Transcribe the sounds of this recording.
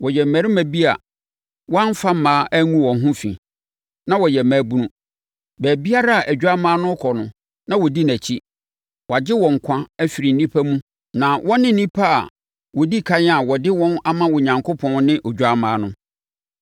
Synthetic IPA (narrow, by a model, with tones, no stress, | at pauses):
wɔ˨jɛ˨mæ˨ɾɪ˦mæ̃˨bi˦a̰˨ | wɔ̃˦n̩˦fa˦m˦mãː˦ʔæ˦ŋũ˦wɔ̃˨nɦʊ̃˦fḭ̃˨ | nã˦wɔ˨jɛ˨mæ˨˦bu˦nũ˦ | bæː˨bi˦a˦ɾa˦a˨ʔæ˨d͡ʑᶣa˦mãː˦nʊ̃˦kʰɔ˨nʊ̃˨ | nã˦wɔ˨di˦næ˨t͡ɕʰi˦ | wa˨d͡ʑɪ˦wɔ̃˨ŋ̩˨kʷʰã˦æ˦fi˨ɾi˨n˨˦nĩ˦pʰa˦mũ˦ | nã˨wʔɔ̃˦nɪ̃˦n̩˨˦nĩ˦pʰa˦a̰˨ | wɔ˨di˦kʰa˦ɲ˦a˨wɔ˨dɪ˦wɔ̃˦na˦mã˦wɔ˨ɲã˨ŋkʰo˦pʰɔ̃˦n˦nɪ̃˦ʔo˨d͡ʑᶣa˦mãː˨˦nʊ̃˦